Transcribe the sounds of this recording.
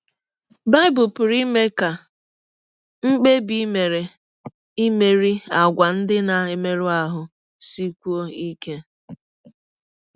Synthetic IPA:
ba˦ɪ˦bʊ˨pʊ˨ɾi˦me˦ka˨ | ŋ͡m̩˦k͡pe˦bi˨˦me˨ɾe˨ | i˦me˨ɾi˦a˨ɡʷa˨n̩˦dɪ˦na˨e˨me˦ɾu˦a˨ɦʊ˨ | si˦kʷu˦o˦i˦ke˦

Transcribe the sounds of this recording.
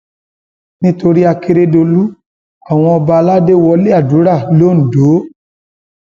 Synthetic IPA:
nĩ˦to˧ɾi˦a˧ke˧ɾe˦do˧lu˦ | a˦˨w̃ɔ̃˧ɔ˧ba˧la˦de˦wɔ˧le˦a˦˨du˨˦ɾa˦˨lo˦n̩˨do˨˦

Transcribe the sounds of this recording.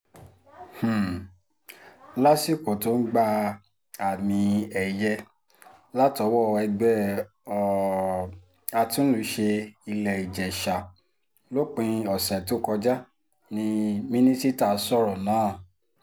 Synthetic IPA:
h̩˨ | la˦si˦˨ko˨to˨˦n̩˦ɡ͡ba˧ | a˨mĩ˧ɛ˨jɛ˧ | la˦tɔ˨˧˦wɔ˦˨˧ɛ˧ɡ͡bɛ˦ | ɔ˨ | a˧tũ˦n̩˦lu˧˦ʃe˧i˧lɛ˨i˨d͡ʒɛ˨ʃa˨ | lo˦k͡pĩ˧ɔ˨sɛ˨to˦kɔ˧d͡ʒa˦ | nĩ˧mĩ˦nĩ˦ti˦ta˦˨sɔ˦˨ɾɔ˨nãː˨˦˨

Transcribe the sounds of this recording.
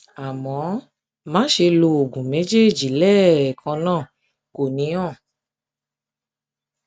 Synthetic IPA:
a˨mɔ̃˨˦ | mã˨˦ʃe˧lo˧o˨ɡũ˨me˨˦d͡ʒe˦˨d͡ʒi˨lɛː˦˨kʰɔ̃˧nãː˦˨ | ko˨nĩ˨˦ɔ̃˦˨

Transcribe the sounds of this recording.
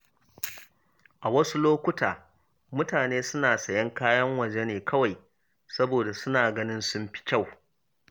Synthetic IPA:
ʔa˨wɐ˦su˦loː˦kʷʊ˦taː˨ | mʊ˦taː˨neː˦sʊ˦naː˨sɐ˨jɐ˦ŋkaː˦jɐ˦ŋwɐ˨d͡ʒe˦neː˨kʰɐ˦wa˨j | sɐ˦boː˨da˨sʊ˦naː˨ɡɐ˦nɪ˦nsʊ˦mɸi̥˦t͡ʃʲa˦˨w

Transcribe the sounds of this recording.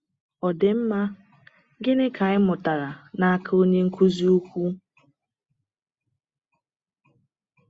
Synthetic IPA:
ɔ˨de˨m̩˦ma˦ | ɡɪ˦nɪ˦kʰa˨ɪ˦mʊ˨ta˨ɾa˨na˦ka˦o˦ɲe˦ŋ̩˦kʰu˦zi˦u˦kʷu˦

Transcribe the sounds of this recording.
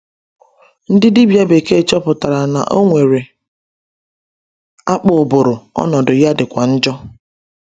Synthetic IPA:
n̩˦dɪ˦di˦bja˦be˨ke˦˨t͡ʃɔ˦pʊ˨ta˨ɾa˨na̰˨ʔo˦ŋʷe˨ɾe˨ | a˦k͡pʊ˨bʊ˨ɾʊ˨ɔ̰˦nɔ˨dʊ˨ja˦dɪ˨kʷa˨n̩˦d͡ʒɔ˦

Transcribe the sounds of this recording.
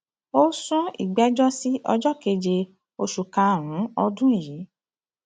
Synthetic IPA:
o˦sũ˦ḭ˨ɡ͡bɛ˦d͡ʒɔ˦si˦ʔɔ˧d͡ʒɔ˦ke˧d͡ʒe˧ | o˧ʃu˨kã˧ɾ̃ũ˨˦ɔ˧dũ˦i˦˨ji˨˦

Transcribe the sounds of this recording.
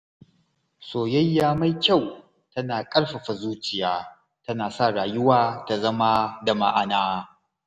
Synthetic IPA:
soː˨jɐ˦jːaː˦ma˦jkʲa˦˨w | tɐ˦naː˨kʼɐ˦ɽɸa˨ɸa˨zuː˦t͡ʃɪ˨jaː˦ | tɐ˦naː˨sa˦˨ɽaː˨jʊ˦waː˦ta˨zɐ˦ma˦da˨ma̰˦˨ʔa˨naː˦

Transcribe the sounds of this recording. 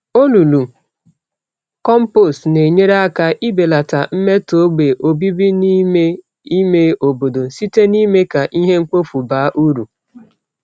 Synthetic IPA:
o˦lu˨lu˨ | kɔ˦m̩˦po˨stne˨ɲe˦ɾe˦a˦ka˦ʔi˦be˨la˨ta̰˨m̩˦me˦to˦ɡ͡be˨ʔo˨bi˦bi˦ni˦me˦ | i˦me˦o˨bo˨do˨si˦te˦ni˦me˦ka˨ʔi˦ɦe˦ŋ̩˦k͡po˦fu˨baː˨˦ʔu˦ɾu˨

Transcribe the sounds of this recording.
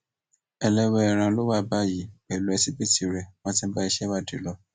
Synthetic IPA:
ɛ˧lɛ˦wɛ˧ɛ˧˨ɾ̃ã˧lo˦wa˦˨ba˦˨ji˨˦bɛ˨lu˨˦ɛ˧si˦bi˦˨ti˨ɾɛ˧wɔ̃˦tĩ˧˦ba˦i˧ʃɛ˦ba˦˨de˨˦lɔ˧˦

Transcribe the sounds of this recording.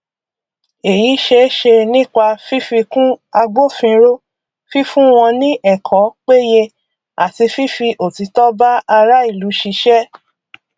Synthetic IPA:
e˨ji˨˦ʃe˧˦ʃe˧nĩ˦˨k͡pa˧fi˦fi˧kũ˦a˧ɡ͡bo˦fĩ˧ɾo˦ | fi˦fũ˦w̃ɔ̃˧nĩ˦ʔɛ˦˨kʰɔ̃˨˦k͡pe˦je˧ | a̰˨ti˧fi˦fi˧ʔo˨ti˨˧˦tɔ˦ba˦a˧ɾa˦i˦˨lu˨˦ʃi˧ʃɛ˦

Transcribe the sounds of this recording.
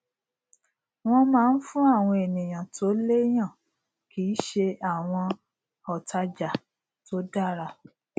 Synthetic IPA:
w̃ɔ̃˦mãː˦˧n̩˦fũ˦a˦˨w̃ɔ̃˧e˨nĩ˨j̃ã˨to˨˦le˦j̃ã˦˨ | kiː˨˦ʃe˧a˦˨w̃ɔ̃˧ | ɔ˨ta˧d͡ʒa˨ | to˦da˦˨ɾa˧

